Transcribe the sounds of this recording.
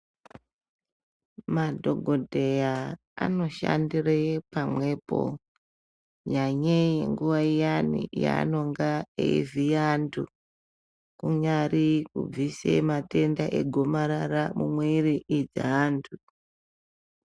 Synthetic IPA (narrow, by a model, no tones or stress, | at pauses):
madʱo̞ɡʱo̞dʱe̞ja | a̰no̞ʃa̰ndirepamwe̞po̞̰ | ɲaɲejeŋɡuʋaijanḭja̰ːno̞ŋɡaḛivijantʰu | kuɲarikub͡visḛmate̞ndaʔeɡʱo̞maɾaramumweɾiʔid͡za̰ɦaːntʰu